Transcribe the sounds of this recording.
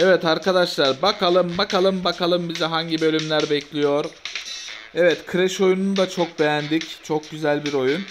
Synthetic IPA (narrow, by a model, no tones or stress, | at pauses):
ɛvɛt̪aɾkʰad̪aʃlˠaɾbakʰalˠɯmbakalˠɯmbakalˠɯmbizɛɦaɲɟibø̞lʲymlʲæɾbɛclʲijo̞ɾ | ɛvɛt̪kʰɯɾɛʃo̞junund̪at͡ʃʰo̞k̚be̞jænd̪ict͡ʃʰok̚ɟyzælʲbiɾo̞jun